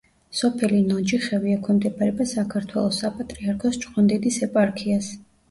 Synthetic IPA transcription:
sɔpʰɛlinɔd͡ʒiχɛviakʰɔmd̪ɛbʰʼaɾɛbasakʰaɾt̪ʰwɛlˠɔsapʼat̪ʼɾiaɾkʰɔst͡ʃʼqʼɔnd̪ɛd̪isɛpʼaɾkʰias

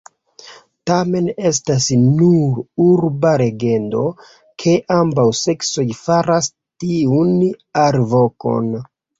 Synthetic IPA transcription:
tame̞ne̞s̬tasnuɾuɾbaɾe̞ɡe̞ndo̞̰ | kʰe̞ʔambawse̞kso̞jfaɾas | tiunaɾvo̞ko̞̰n

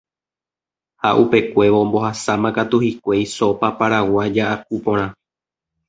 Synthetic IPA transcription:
ha̰ʔupe̞kʷe̞ʋõ̞mbo̞hasamãkat̪uhikʷe̞jso̞papaɾawad͡ʒaʔakupõ̞ɾ̃ã

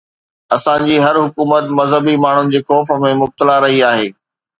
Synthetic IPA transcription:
ɐsãd͡ʑiːɦɐɾɦʊkuːmət̪mɐzɦəbimaːɳ̤ʊnɪ̆d͡ʑeːxɔːfə̆mẽmʊb̚t̪əlaɾɐɦiaːɦeː

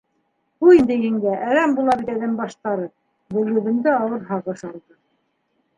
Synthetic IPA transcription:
buind̪ɘɦɘŋɡæʔæɾæmbulˠɑβit̪æðɘmbɑʃt̪ɑɾɤ | bɵ̆lɡɵ̆ðɘ̆nd̪ɘɑwɤɾɦɑʁɤ̆ʃɑlˠd̪ɤ

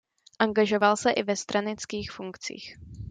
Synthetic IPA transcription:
ʔaŋɡaʒo̞valsɛʔɪvɛst̪ɾanɪt͡skiːxfuŋkt͡sḭːx

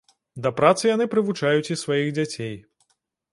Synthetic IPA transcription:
d̪ɐpɾat̪sɨjanɨpɾɨvut͡ʂajut͡sʲisvajiɣd͡zʲat͡sʲej

